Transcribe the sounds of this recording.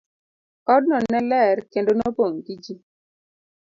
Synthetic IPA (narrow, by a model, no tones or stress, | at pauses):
kɔd̚nɔnɛlɛɾkendonopoŋɡid͡ʒi